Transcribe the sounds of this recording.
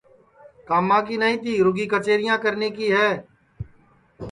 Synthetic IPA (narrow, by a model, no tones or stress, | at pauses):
kaːmãːk̬iːnəĩːt̪ʰiːɾʊɡiːkət͡ʃeːɾɪjãːkəɾneːkiːɦɛː